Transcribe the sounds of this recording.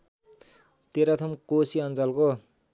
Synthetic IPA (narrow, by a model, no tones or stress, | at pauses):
t̪eɾʌt̪ʰʌmkosiʌnt͡sʌlko